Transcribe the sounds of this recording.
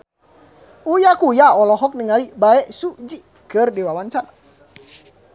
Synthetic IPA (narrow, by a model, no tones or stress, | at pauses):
ujakujaɔlɔɦɔk̚niŋalibaɛʔsud͡ʒi | kɨrdiwawant͡ʃana